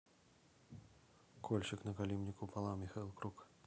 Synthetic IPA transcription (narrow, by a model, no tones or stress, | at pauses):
kʰɔlʲʃɪknɐkalʲimnʲikupalˠawmʲixailˠkɾuk